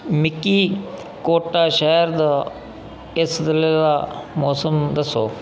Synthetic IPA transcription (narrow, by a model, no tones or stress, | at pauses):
mɪkːiː | koːʈaːʃəɦɾd̪aː | ɪsd̪ɪled̪aːmɔːsəmd̪əsːoː